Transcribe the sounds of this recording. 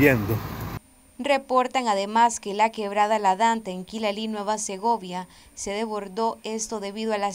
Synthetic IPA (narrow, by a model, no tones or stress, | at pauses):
end̪o | re̞po̞ɾt̪aŋaðe̞maske̞lake̞βɾaðalaðant̪aeŋkilalinweβase̞ɣo̞βja | se̞ðe̞βo̞ɾðo̞e̞st̪o̞ðe̞βiðoala